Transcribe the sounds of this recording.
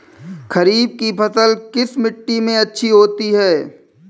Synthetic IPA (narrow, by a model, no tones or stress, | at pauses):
xɐɾiːb̚kipɐsəlkɪsmɪʈːimẽɐtːʃʰiɦoːt̪iɦɛː